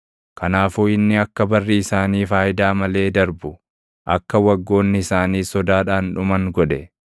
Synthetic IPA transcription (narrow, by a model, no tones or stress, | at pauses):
kʰɐnaːfuːɪnːɪɐkːɐbɐrːiɪsaːniːfaːjɪd̪aːmɐle̞ːd̪ɐɾbʊ | ʔɐ̰kːɐwɐɡːo̞ːnːɪɪsaːniːsɔd̪aːᶑaːnᶑʊmɐŋɡɔᶑɛ